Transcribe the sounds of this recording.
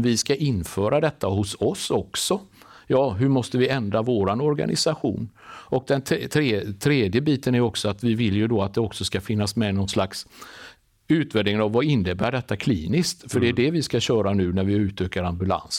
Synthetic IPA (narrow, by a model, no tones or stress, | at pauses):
vɪskaʔɪnːfœːɾad̪ɛt̪ːahʊsɔsɔksɔ | jɑːɦɵɾmɔst̪əvɪɛnd̪ɾavoːɾanɔɾɡa̰nʔɪ̰saɧṵːn | ɔk̚d̪ɛnt̪ʰːt̪ʰɾeːt̪ʰɾeːd̪jəbiːt̪ənæɾɔksɔat̪vɪvɪljɵd̪oat̪̚d̪ɛɔksɔskafɪnːasmɛnɔnslaks | ʉ̟ːt̪vɛːd̪ɪŋənavːaɪnːəbæːɖɛt̪ːakʰliːnɪskt̪fœɖɛæɖɛvɪskaɕœːɾanʉ̟ːnæɾvɪʉ̟ːt̪ʰøːkaɾambɵla̰ns